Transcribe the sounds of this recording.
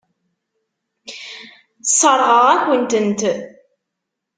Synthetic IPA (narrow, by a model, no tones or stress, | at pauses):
sˤəɾˤʁəʁækʷənt̪ənt̪